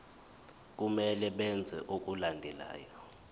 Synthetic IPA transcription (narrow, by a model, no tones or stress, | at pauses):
k̬umɛlɛɓɛnd͡zʱɛ̰ʔuk̬ʼulandʱɛla̰ːjɔ